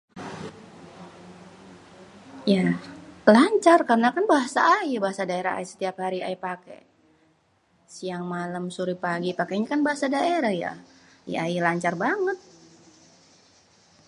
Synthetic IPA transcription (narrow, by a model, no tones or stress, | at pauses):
jalaɲt͡ʃarkarənakanbaɦasaːibaɦasadaeɾaha̰isə̥t̪iaphaɾia̰ipakḛ | siaŋmalamsuɾipaɡipakeɲakanbaɦasadaeɾahja̰ | j̰ailaɲt͡ʃarbaŋət̪̚